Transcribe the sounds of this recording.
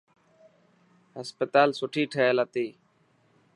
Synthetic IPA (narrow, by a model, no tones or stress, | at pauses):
ɦəspət̪aːlsʊʈʰiːʈʰəeːlaːt̪iː